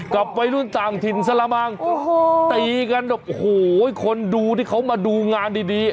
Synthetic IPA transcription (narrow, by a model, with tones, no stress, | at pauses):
kla˨˩p̚ːa˧jlu˥˩˨nt̪aː˨˩ŋt̪ʰi˨˩nsa˧laː˧maː˧ŋo˧t̪iː˨˧˩ka˧ndp̚hoː˨˩˥kʰo˧nduː˧t̪ʰiː˥˩kʰa˦˥wmaː˧duː˧ŋaː˧ndiː˧diː˧